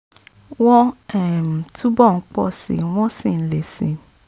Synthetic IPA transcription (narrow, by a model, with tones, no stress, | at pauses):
wɔ˦ɛ˦˨m̩˨tʰu˦bɔ˦˨˦k͡pɔ̰˦˨sḭ˨w̃ɔ̃˦sĩ˦˨n̩˨˦le˨si˨˦